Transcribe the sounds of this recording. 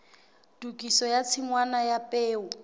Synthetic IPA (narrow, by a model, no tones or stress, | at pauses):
d̥ukʼisɔjat͡sʰiŋwanajapʼeːʊ